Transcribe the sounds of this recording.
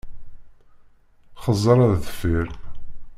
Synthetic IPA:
χəzˤːəɾˤæðθə̥fiɾ

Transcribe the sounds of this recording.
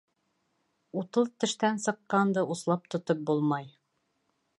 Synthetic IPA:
ut̪ɤlˠt̪ɘ̆ʃt̪ænsɤ̆qːɑnd̪ɤʔuslˠɑp̚t̪ŏt̪ɤp̚bulˠmɑj

